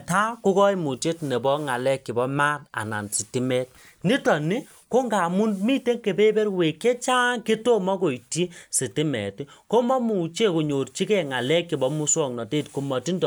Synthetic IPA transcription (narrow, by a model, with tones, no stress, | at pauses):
ta˦ko˦kɔ˦ji˦mu˨t͡ʃe˦tne˨bɔ˦ŋa˨lɛ˦kːi˨bɔ˦ma˦t̚a̰˨na̰˨nsi˨ti˦mɛ˦t̚ | ni˦tɔ˨ni˦ | ko˦ŋɡa˨mu˦nmi˦te˦ŋke˨pe˦be˦rwe˨ke˦t͡ʃa˦ŋki˦to˦mɔ˦ko˨jti˦si˨ti˦mɛ̰˨ti˦ko˦mɔ˦mu˨t͡ʃe˦ku˨ɲo˨rt͡ʃi˦kɛ˨ŋa˨lɛ˦kːi˨bɔ˦mu˦swɔ˦ŋnɔ˨teː˦˨tku˨mɔ˨ti˦ndɔ˨